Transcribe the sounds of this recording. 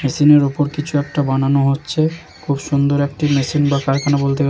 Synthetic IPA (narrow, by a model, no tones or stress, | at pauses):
mesineɾupoɾkit͡ɕʰuɛk̚ʈabananoɦotːɕʰe | kʰubʃund̪oɾek̚ʈimesinbakaɾkʰanabolt̪̬e